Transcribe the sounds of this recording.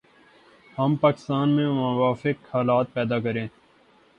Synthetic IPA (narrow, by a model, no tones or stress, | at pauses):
hɐmpaːkɪ̥st̪aːnmẽmɐʋaːfɪkhaːlaːt̪̚pɛːd̪aːkəɾẽː